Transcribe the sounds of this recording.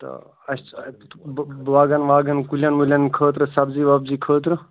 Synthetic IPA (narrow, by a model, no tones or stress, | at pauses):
t̪ɐ̰ | ɐs | ʋaːɡɐnʋaːɡɐnkulʲjɐnʋulʲɐnkʰəːt̪ɾɨsɐbziːʋɐbziːkʰəːt̪̬ɾɨ